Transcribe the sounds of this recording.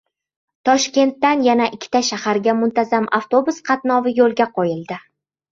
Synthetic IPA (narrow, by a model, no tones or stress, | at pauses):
t̪ʰɒʃkʲe̞nt̪ːanjanaʔɪkʲʰːɪ̥t̪ʰaʃahaɾɡʲamʊnt̪ʰazamʔaft̪o̞bʊsqʰɑt̪nɒvɪjolˠɡʲaqʰɒjɪlˠd̪ɪ